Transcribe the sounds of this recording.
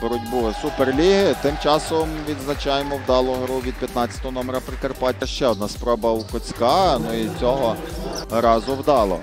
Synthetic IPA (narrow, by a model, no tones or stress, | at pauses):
bɔɾudʲbʊsuperlʲiɦɪt̪ɪmt͡ʃɑsɔmʋʲid̪znɐt͡ʃɑjemɔwd̪ɑlˠɔɦɔɾuʋʲid̪̚pjɐt̪nɑt͡sʲjɐ̥t̪ɔɦɔnɔmeɾɐpɾɪkerpɑt̚ʲɐʃt͡ʃɛɔd̪nɑspɾɔbɐukɔt͡sʲkɑnuit͡sʲɔɦɔɾɑzʊwd̪ɑlˠɔ̰